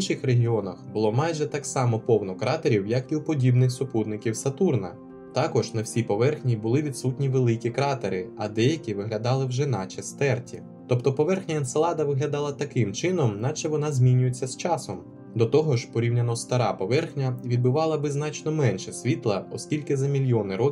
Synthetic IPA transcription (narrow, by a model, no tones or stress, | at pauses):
inʃɪxreɦʲiɔnɐxbʊlˠɔmɑjʒɛt̪ɑksɑmɔpɔwnɔkɾɑt̪eɾʲiwjɐkiupɔdʲibnɪxsʊpud̪nɪkʲiwsɐt̪urnɐ̰ | t̪ɑkɔʒnɐwsʲipɔʋɛrxnʲibʊlˠɪʋʲid̪sutʲnʲiʋelˠɪkʲikɾɑt̪eɾɪɐd̪ɛjɐkʲiʋɪɦlʲɐd̪ɑlˠɪwʒɛnɑt͡ʃɐst̪ɛrtʲḭ | t̪ɔpt̪ɔpɔʋɛrxnʲɐɪnselˠɑd̪ɐʋɪɦlʲɐd̪ɑlˠɐt̪ɐkɪmt͡ʃɪnɔmnɑt͡ʃɛʋɔnɑzʲmʲinʲʊjet͡sʲːɐst͡ʃɑsɔm | d̪ɔt̪ɔɦɔʒpɔɾʲiwnʲɐnɔst̪ɐɾɑpɔʋɛrxnʲɐʋʲid̪bɪʋɑlˠɐbɪznɑt͡ʃnɔmɛnʃɛsʲʋʲit̪lˠɐɔsʲkʲilʲkɪzɐmʲilʲjɔnɪɾɔ